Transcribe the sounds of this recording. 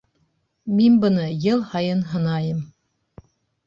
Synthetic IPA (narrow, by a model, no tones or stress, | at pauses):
minbɤ̆nɤjɤlˠhɑjɤnɦɤ̆nɑjɤm